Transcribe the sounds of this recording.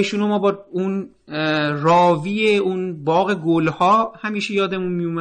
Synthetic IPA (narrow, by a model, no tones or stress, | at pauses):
eʃunomɒːbɒun | rɒːviːeunbɒːɣe̞ɡolhɒːhæmiːʃejɒːd̪e̞munmijomæ